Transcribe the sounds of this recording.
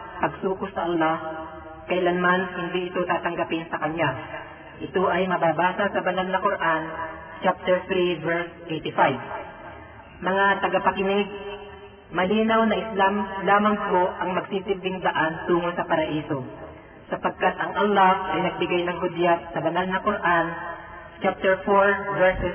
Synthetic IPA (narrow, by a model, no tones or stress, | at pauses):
pɐɡsuːkʊsɐʔɐlːah | kɐhɪlanmanhɪnd̪iʔɪt̪ot̪aːt̪ɐŋɡɐpɪnsɐkɐɲja | ʔɪt̪oʔɐjmɐbaːbaːsɐsɐbɐnalnɐkoɾʔan | t͡ʃap̚t̪ɛɹt̪ɾivɛɹsʔejt̪ɪfajb | mɐŋat̪ɐɡapɐkɪnɪɡ̚ | mɐliːnɐwnɐʔɪslamlaːmɐŋpoʔɐŋmɐɡsɪt̪ɪmlɪŋd̪ɐʔant̪uːŋonsɐpɐɾɐʔiːso̞ | sɐpɐɡ̚kat̪ɐŋʔɐlːafʔɐjnɐɡ̚bɪɡajnɐŋɦʊd̪jat̪̚sɐbɐnalnɐkʊɾʔan | t͡ʃap̚t̪ɛɹfoɹvɛɹsɛ